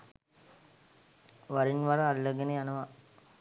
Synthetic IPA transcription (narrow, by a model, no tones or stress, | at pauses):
ʋaɾinʋaɾɐːlːəɡenejanɐʋa